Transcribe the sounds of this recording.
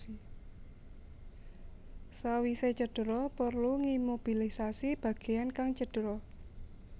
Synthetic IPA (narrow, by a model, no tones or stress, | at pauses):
i | sawiset͡ʃəɖ̥əɾɔpərluŋimob̥ilisasib̥ä̤ɡ̥e̤jankaŋt͡ʃəd̥əɾɔ